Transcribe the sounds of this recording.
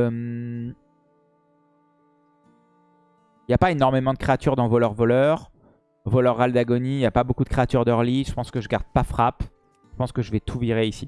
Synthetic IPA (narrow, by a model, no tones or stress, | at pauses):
m | iljapaenɔʁmemɑ̃d̪əkχeat̪yʁd̪ɑ̃vɔlœʁvɔlœːʁ | vɔlœʁːald̪aɡɔniljapabokud̪əkχeat̪yʁd̪œʁliʒəpɑ̃skəʒəɡaʁd̪̚pafχap | ʒ̥ə̥pɑ̃skəʒəvɛt̪ʰuviʁeisi